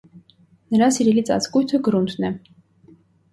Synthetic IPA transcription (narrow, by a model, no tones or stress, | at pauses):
nəɾasiɾilit͡sʼa̰t͡skujt̪ʰəɡɾunt̪ʰnɛ